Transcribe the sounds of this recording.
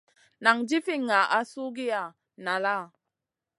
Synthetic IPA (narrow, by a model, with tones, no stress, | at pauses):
na˨ŋd͡ʒi˦fi˦ŋa˨ʔa˨˦su˦ɡi˦a˨ | na˨la˦˨